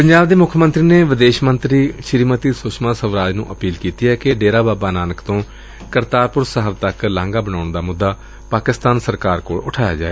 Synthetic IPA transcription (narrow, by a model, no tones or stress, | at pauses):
pəɲd͡ʒaːbd̪eːmʊkʰːmə̃nt̪ɾiːneːʋɪd̪eːʃmənt̪ɾiːʃɪɾiːmət̪iːsʊsmãːsəʋɾaːd͡ʒnũːʔəpiːlkiːt̪iːɦɛːkeɖeːɾaːbaːbaːnaːnəkt̪õː | kəɾt̪aːɾpʊɾsəɦəʋt̪əklãːŋɡaːbənaːɳd̪aːmʊd̪ːaː | paːkɪst̪aːnsəɾkaːɾkoːɭʊʈʰaːja̰ːd͡ʒaːeː